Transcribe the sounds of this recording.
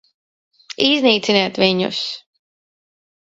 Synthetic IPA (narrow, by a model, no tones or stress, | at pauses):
izniːt̪sinɛːt̪viɲʊ̰s